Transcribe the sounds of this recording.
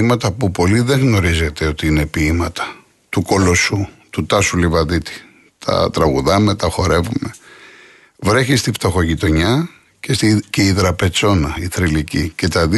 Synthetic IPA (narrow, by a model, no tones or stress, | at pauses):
imɐt̪ɐpupo̞liðe̞ɣno̞ɾize̞t̪e̞o̞t̪iinepiːmɐt̪ɐ̥ | t̪uko̞lo̞sut̪ut̪ɐsulivɐðit̪i̥ | t̪ʰɐ̰t̪ɾɐɣuðɐme̞t̪ɐxo̞ɾe̞vume | vɾe̞çist̪ift̪o̞xo̞ʝit̪o̞ɲɐ | ceceiðɾɐpe̞t͡so̞nɐiθɾilicḭce̞t̪ɐði